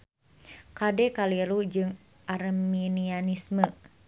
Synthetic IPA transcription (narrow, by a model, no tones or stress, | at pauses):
kadɛkaliɾud͡ʒɨŋ | ʔarminianismə